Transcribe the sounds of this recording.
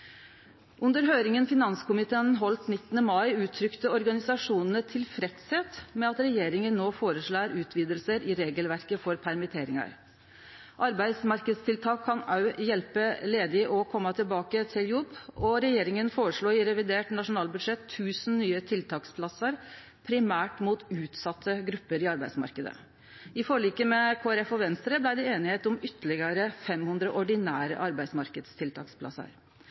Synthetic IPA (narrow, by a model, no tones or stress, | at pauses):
ʔʉnd̪əɾɦøːɾɪŋənfɪnɑnskʰʊmɪt̪ʰeːnɦɔlt̪nɪt̪ːnəmɑɪʉːt̪ʰːɾʏkt̪əɔɾɡɑnɪsɑʂuːnənət̪ʰɪlfɾɛt̪seːt̪mɛɑt̪ɾɛjeːɾɪŋənːoːfoːɾəʂɭæːɾʉːt̪ʰʋiːd̪əlsəɾʔɪɾeːɡəlʋæɾkəfɔɾpʰæɾmɪt̪ʰeːɾɪŋɑ̰ɾ | ʔɑɾbæɪd̪smɑɾkəd̪st̪ʰɪlt̪ʰɑːkʰːɑnɑjɛlpəleːd̪ɪʔɔkʰɔmːɑt̪ʰɪlbɑːkət̪ʰɪljʊbɔɾɛjeːɾɪŋənfoːɾəʂɭuːɪɾɛʋɪd̪eːʈnɑʂʊnɑːlbʉd̪ʂɛt̪ʰːʉːsn̩nyːət̪ʰɪlt̪ʰɑːkspʰlɑsəɾ | pʰɾɪmæːʈmuːt̪ʉːt̪sɑt̪ʰːəɡɾʉpːəɾɪɑɾbæɪsmɑ̰ɾkəd̪ə̰ | ɪfɔɭiːkəmɛkʰoːæɾɛfɔʋɛnst̪ɾəblæɪd̪ɛeːnɪheːt̪ʊmʏt̪ʰːəlɪɡəɾəfɛmhʉnd̪ɾəʔɔɖɪnæːɾə̰ʔɑɾbæɪsmɑɾkəd̪st̪ʰɪlt̪ʰɑːkspʰlɑ̰sə̰ɾ